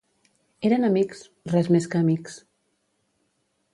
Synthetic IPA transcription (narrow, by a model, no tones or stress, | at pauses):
eɾənəmiks | rɛzmeskəːmiks